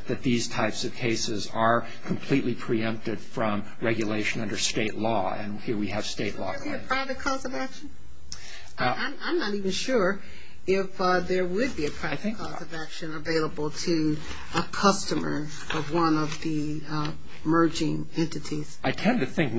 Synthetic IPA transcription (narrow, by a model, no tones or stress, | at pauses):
ðɨt̪̚ðiz̥tʰaɪpsʌv̥kʰeɪsɪzə˞ | kʰm̩pʰl̥iʔˡlipʰɹ̥iɛ̃mp̚tɨd̥fɹʌ̃m | ɹɛɡjɨleɪʃɨ̃nʌ̃ndə˞steɪʔˡlɔ | ɨ̰̃nhiɹwiɨv̥steɪʔˡlɔ̰biɨpʰɹ̥aɪvɨt̚kʰɔzʌvækʃɨ̃n̩ | ãɪ̃mãɪ̃mnəɾivɨ̃n̩ʃʊɹ | ɪfðə˞wɨd̚biɨpʰɹ̥aɪθɪ̃ŋkʰɔzʌvækʃɨ̃nəveɪlˠəbl̩ˠtʰɨ | əkʰʌstɨmə̰˞ | ʌvwʌ̃nʌvði | mɜ˞d͡ʒɪ̃ŋ | ɛ̃ntɨɾiz̥ʔaɪtʰɛ̃ntɨθɪ̃ŋk̚